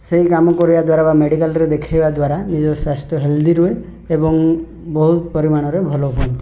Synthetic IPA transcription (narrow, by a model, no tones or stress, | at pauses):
seɦikamɔkɔɾibad̪waɾabameɽikalɾed̪ekʰajbad̪waɾanid͡ʒɔsɾasʈɔɦeld̪iɾue | ebɔŋ | bɔɦut̪pɔɾimanɔɾebʱɔlobʱɔnt̪